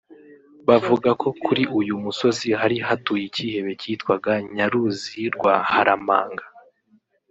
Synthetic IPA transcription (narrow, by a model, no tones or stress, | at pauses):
βavuɡako̞kuɾiʔujumuso̞ziɦaɾiɦatuːjiciːhe̞βe̞ciːtkwaɡaɲaɾuziiɾɡwahaɾama̰ːŋɡa